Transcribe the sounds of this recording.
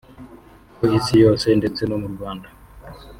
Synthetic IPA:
poisijo̞ːse̞nde̞t͡se̞nomuɾɡwaːnda

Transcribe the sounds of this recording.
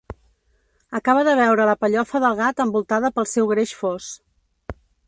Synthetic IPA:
əkaβ̞əðəβ̞ɛwɾələpəʎɔfəðəlˠɣ̞at̪əmbulˠt̪aðəpəlˠsɛwɣɾeʃfos

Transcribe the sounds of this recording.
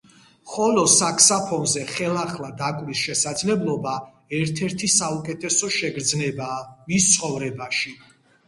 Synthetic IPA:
χɔlɔsakʰsapʰɔnzɛχɛlˠaχlad̪akʼvisʃɛsad̪zlɛblˠɔba | ɛɾt̪ʰɛɾt̪ʰisaukʼɛt̪ʰɛsɔʃɛɡɾd̪znɛbaːmist̪sʰʼχɔvɾɛbaʃi

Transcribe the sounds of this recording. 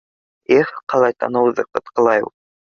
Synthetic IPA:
eχqɑlˠɑjt̪ɑ̰nɤ̆wðɤqɤ̆t̪qɤ̆lˠɑjṵ

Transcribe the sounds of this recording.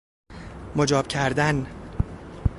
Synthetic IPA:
mod͡ʒɒːb̥̚cʰæɾd̪æn

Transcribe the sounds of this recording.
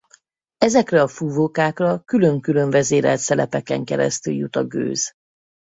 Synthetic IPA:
ɛzɛkrɛɒfuːvoːkaːkrɒkylø̞ŋkylø̞ɱvɛzeːɾɛlt̪sɛlɛpɛkɛŋkɛɾɛ̰st̪yljut̪ɒɡø̰ːz̥

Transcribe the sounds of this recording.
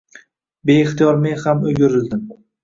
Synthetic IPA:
be̞ːχt̪ijɒɾme̞nhamɵɡʲɪɾɪld̪ɪm

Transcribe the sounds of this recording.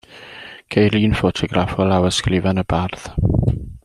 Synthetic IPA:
kʰejɾlˠiːnfɔtʰɔɡrafɔlˠawəskrɪvɛnəbarð̥

